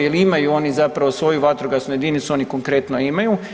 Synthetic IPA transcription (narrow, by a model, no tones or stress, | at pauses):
jeliimajuo̞nizapɾaʋo̞sʋo̞juʋat̪ɾuɡasnuje̞d̪init̪suo̞niko̞ŋkɾe̞t̪noimaju